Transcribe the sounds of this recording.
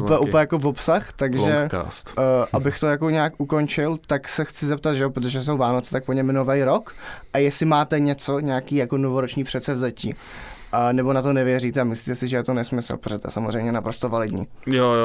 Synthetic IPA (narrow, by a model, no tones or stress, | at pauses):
upɛʔuɛjakovopsaxt̪aɡʒɛka̰ːst̪ːʔabɪxt̪o̞jako̞ɲaakʔuko̞nt͡ʃɪlt̪aksɛxt͡sɪzɛp̚t̪at̪ʒɛop̬ɾot̪̬oʒɛs̬o̞wvaːnot͡sɛ̥t̪ak̚poɲɛmnovɛjɾo̞kʔajɛsɪmaːt̪ɛɲɛt͡so̞ɲɛakiːjako̞novoɾot͡ʃɲiːpr̝̥ɛt̪sɛvzacḭː | ʔanɛbo̞nat̪o̞nɛvɪjɛriːt̪ɛamɪsliːt̪ɛsɪʒɛjɛt̪onɛsmɪsl̩pɾoʒɛt̪oɛjɛ̰samozrɛjmɲɛnapɾost̪ovalɪdɲḭːjoj